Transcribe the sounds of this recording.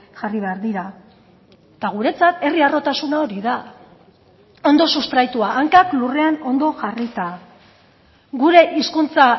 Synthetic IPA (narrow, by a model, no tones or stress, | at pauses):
ʝariβ̞e̞aɾðiɾa | t̪aɣ̞uɾe̞t͡sat̪e̞riaro̞t̪asunao̞ɾiða | o̞nd̪o̞sust̪ɾajt̪uaʔːŋkaklure̞ano̞nd̪o̞ʝarit̪a | ɡuɾe̞ʔiskunt͡sa